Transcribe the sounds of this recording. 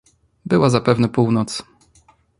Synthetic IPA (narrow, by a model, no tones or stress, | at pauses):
bɘwazapɛvnɛpuwnɔt̪s